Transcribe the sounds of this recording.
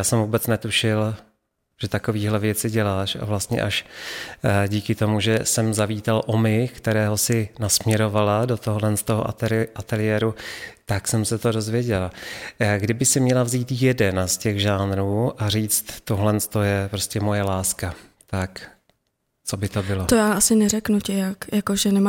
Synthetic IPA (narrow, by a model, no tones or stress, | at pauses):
jaːsɛmvuːbɛt͡snɛt̪uʃɪl | ʒ̥ɛt̪ako̞viːɦlɛvjɛt͡sɪɟɛlaːʃa̰vlast̪ɲɛ̰ʔaʃ | ɟiːkɪt̪o̞muʒɛsɛmzaviːt̪alʔomɪkt̪ɛɾɛːɦo̞sɪnasmɲɛɾo̞valado̞t̪oɦlɛnst̪oɦoʔaʔat̪ɛlɪjɛːɾut̪aksɛmsɛt̪o̞do̞zvjɛɟɛlaɡdɪbɪsɪmɲɛlavziːt̪jɛdɛnascɛɣʒaːnɾuːʔariːt͡st̪t̪ːo̞ɦlɛnst̪o̞jɛpɾo̞scɛmo̞jɛlaːskat̪ak | t͡so̞bɪt̪o̞bɪlot̪ojaːʔasɪnɛɾɛknucɪjakjakoʒɛnɛma